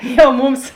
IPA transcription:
jɛʊ ˈmʊms

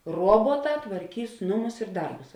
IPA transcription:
ˈruɔbuɔˌtɑː tʋɐrʲˈkʲiːs ˈnʊˌmʊs ɪr ˈdɐrbʊs

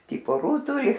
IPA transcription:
ˈtʲiːpoː ˈruːtʊlʲɪ

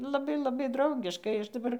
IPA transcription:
lˠɐˈbɐɪ lˠɐˈbɐɪ drɐʊˈɡʲɪʃkɐɪ ˈɐʃ dɐˈbɐr

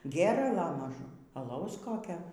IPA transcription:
ˈɡʲeːrɐlˠɐ mɐˈʒʊm ɐˈlˠɐʊs ˈkoːkʲoː

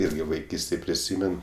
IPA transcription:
ˈɪrʲɡʲɪ ʋɐɪˈkʲiːsʲtʲeːj pʲrʲɪˈsʲiːmʲɛn

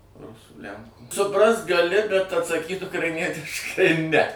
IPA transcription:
ˈrʊsuː ˈlʲæŋkuː sʊˈprɐst ɡɐˈlʲɪ bʲɛt ɐtsɐˈkʲiːt ʊkrɐɪˈnʲiɛtʲɪʃkɐɪ nʲɛ

